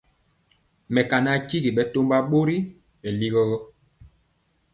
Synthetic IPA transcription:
mɛ˨ka˨na˦˨ki˦ɡi˨ɓɛ˨to˦mba˦ɓo˦ɾi˦ | ɓɛ˨li˦ɣɔ˦ɣɔ˦

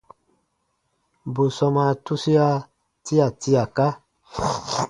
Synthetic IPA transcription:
bu˨sɔ˧ma˨tu˦si˦a˦ | ti˦a˨ti˦a˨ka˦

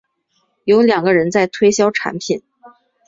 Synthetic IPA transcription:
jo˧˥ʊljɑ˨˩ŋɡə˦ɻə˧˥nt͡sa˥˩ɪt̪ʰwe˥ɪɕjɑ˥ʊʈ͡ʂʰa̰˧˥npʰi˨˩˦n

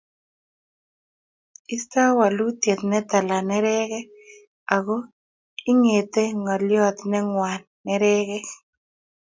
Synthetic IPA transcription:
ɪ˦st̪a˦wa˨lu˦t̪je˨t̪nɛ˦t̪a˨la˨nɛ˦ɾɛ˦ɣɛ˦ | a˨ɡo˦ | ɪ˦ŋe˨t̪e˦ŋɔ˨ljɔ˦t̪nɛ˦ŋwa˨nːɛ˦ɾɛ˦ɣɛ˦

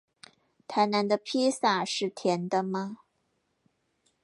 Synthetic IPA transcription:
t̪ʰa˧˥ɪna˧˥nd̪ə˧pʰi˥sa˥˩ʂɻ̩˥˩t̪ʰjɛ˧˥nd̪ə˧mɐ˧

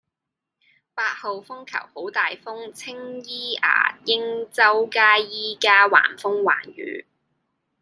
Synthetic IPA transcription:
paː˧t̚ho˨wfʊ˥ŋkʰɐ̰˨˩who˨˥wt̪aː˨jfʊ˥ŋt͡sʰɪ˥ŋjiː˥a̰ː˨˩jɪ˥ŋt͡sɐ˥wkaː˥jiː˥kaː˥wa̰ː˨˩nfʊ˥ŋwa̰ː˨˩njy̰ː˨˧˥

